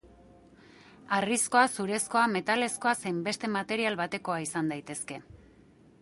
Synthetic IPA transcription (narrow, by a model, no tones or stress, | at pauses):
arisko̞asuɾe̞sko̞ame̞t̪ale̞sko̞asejmbe̞st̪e̞mat̪e̞ɾialβat̪e̞ko̞aisand̪ajt̪e̞ske̞